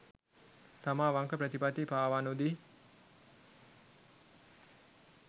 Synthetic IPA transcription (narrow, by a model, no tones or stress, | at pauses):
t̪amaːʋaŋkəpɾət̪ipat̪ipaːʋanud̪i